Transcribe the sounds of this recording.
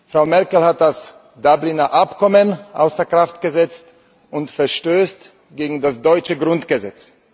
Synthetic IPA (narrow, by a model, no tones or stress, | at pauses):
fʁaʊmɛɐkl̩hat̚d̥as | d̥ablinɐʔapkʰɔmənʔa̰ʊsd̥eɐkʁ̥aftɡ̥əzɛt͡st | ʔʊntfɛɐʃtøːst | ɡ̥eːɡŋ̩dasd̥ɔʏt͡ʃəɡʁʊntɡ̥əzɛt͡s